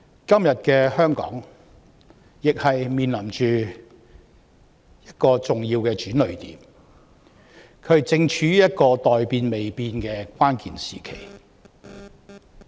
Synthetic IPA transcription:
kɐ˥mjɐ˨t̚kɛː˧hœː˥ŋkɔ̰ː˨˥ŋ | jɪ˨k̚hɐ˨jmiː˨˩nlɐ˨˩mt͡ʃyː˨ | jɐ˥t̚kɔː˧t͡sʊ˨ŋjiː˧wkɛː˧t͡ʃyː˨˥nlɵ˨˩ɥt̪ḭː˨˥m | kʰɵ˨˧˥t͡sɪ˧ŋt͡ʃʰyː˨˥jɐ˥t̚kɔː˧t̪ɔː˨jpiː˧nme˨jpiː˧nkɛː˧kwaː˥nkḭː˨nsiː˨kʰḛ˨˩j

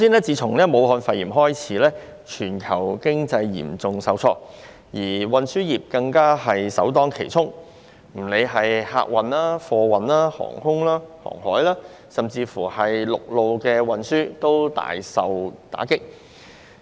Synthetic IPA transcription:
siː˥nlɛː˥t͡siː˨˧t͡sʰʊ˨˩ŋlɛː˥mo˨˧whɔː˧nfɐ˧jiː˨˩mɦɔː˥jt͡sʰiː˨˥lɛː˥ | t͡ʃʰyː˨˩nkʰɐ˨˩wkɪ˥ŋt͡sɐ˧jːḭː˨˩mt͡sʊ˨ŋsɐ˨wt͡sʰɔː˧ | jiː˨˩wɐ˨nsyː˥jiː˨p̚kɐ˧ŋkaː˥ɦɐ˨jsɐ̰˨˥wt̪ɔː˥ŋkʰe˨˩jt͡sʰʊ˥ŋ | m̩˨˩le˨˧jɦɐ˨jha̰ː˧k̚wɐ˨naː˥fɔː˧wɐ˨nlaː˥hɔ̰ː˨˩ŋhʊ˥ŋlaː˥hɔ̰ː˨˩ŋhɔː˨˥jlaː˥ | sɐ˨mt͡siː˧fuː˨˩hɐ˨jlʊ˨k̚lo˨wkɛː˧wɐ˨˧nsyː˥t̪o˥wt̪a̰ː˨jsɐ˨wt̪a̰ː˨˥kɪ˥k̚

